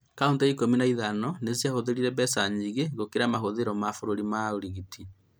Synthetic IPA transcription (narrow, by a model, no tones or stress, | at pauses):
kaontɛikominaiðanɔnezjahoðeɾiɾɛβɛsaɲiɣeɣokeɾamaɦoðeɾɔmafoɾoɾimaoɾiɣitʰi